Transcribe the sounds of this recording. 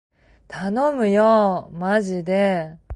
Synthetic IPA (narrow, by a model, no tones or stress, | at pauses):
t̪ʰanomɯ̟jomaʑid̪e̞